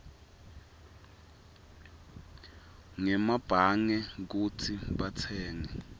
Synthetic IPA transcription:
ŋɛmab̥ʱaŋɛk̬ut͡sʰiɓat͡sʰɛːŋɛ

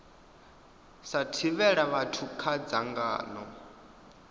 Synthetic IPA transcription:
satʰiβɛɺaβatʰukʰad͡zaŋɡa̰ːnɔ

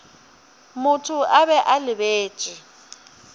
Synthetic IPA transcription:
mʊtʰʊaβɛʔalɪbeːd̥ʒ̥ʼi

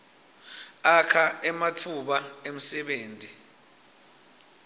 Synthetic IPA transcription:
akʰaɛmatʰuɓaem̩sɛɓeːntʼi

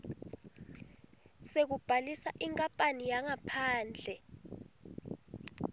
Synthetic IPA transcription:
sek̬ub̥ʱalisaʔiŋkʼampʼanijaŋapʰaːnd͡ɮʱɛ

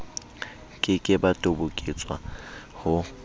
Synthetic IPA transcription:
kʼɪkʼɪbatʼobʊkʼɪt͡sʼwa̰hʊ

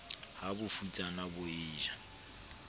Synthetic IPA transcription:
habʊfut͡sʼanabʊiːʒa

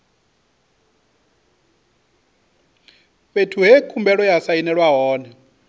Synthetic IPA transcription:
βetʰuɦekʰumbɛɺɔjasainɛɺwaɦɔːnɛ

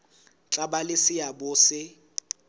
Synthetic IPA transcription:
t͡ɬʼabalɪsɪjabʊsɪ

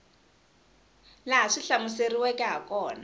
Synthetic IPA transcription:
laɦaʂiɬamʊseriwɛkʼɛɦakʼɔːna

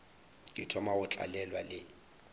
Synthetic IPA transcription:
lɪtʰɔmaɣʊt͡ɬʼa̰lɛlwalɪ

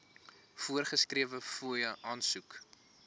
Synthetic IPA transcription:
fuərχəskɾiəvəfujɐʔɑːnsuk

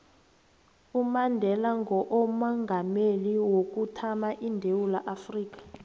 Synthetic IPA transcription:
umandʱɛlaŋɡɔʔɔmɔŋɡʱameliwok̬ʼutʰamaʔindʱewulaʔafriːk̬ḁ

